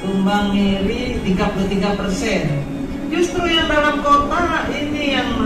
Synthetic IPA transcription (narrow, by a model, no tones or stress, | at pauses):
t̪umbaŋiɾi | t̪iɡaplət̪iɡapərsɛn | d͡ʒust̪ɾujaŋdalamkot̪ainijaŋ